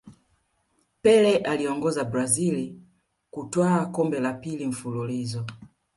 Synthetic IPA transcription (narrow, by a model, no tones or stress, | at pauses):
pɛlɛʔaliɔŋɡɔzabɾazili | kutwaːkɔmbɛlapiliɱ̩fululizɔ